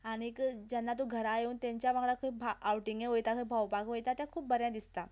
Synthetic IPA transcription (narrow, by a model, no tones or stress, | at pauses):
aɽ̃ikd͡ʑanːat̪̬ũɡʱəɾajeuːnt̪jãɲt͡ɕjaʋãɡɭakʰubʱaawʈiŋɡeɦojt̪akʰəibʱawpakʋojt̪at̪jãkʰuːp̚bəɾjãd̪ist̪a